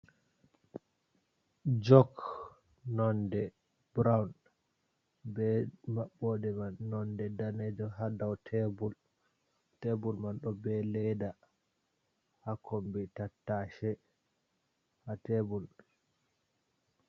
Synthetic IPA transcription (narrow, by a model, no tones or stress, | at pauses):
d͡ʒɔk | nɔndɛ | bɾawn | bɛmaɓːɔdɛmanːɔndɛdaned͡ʒɔɦadawtʰɛbul | tebulmanɗɔbɛlɛda | hakʰɔmbitatːaʃɛ | hatɛbul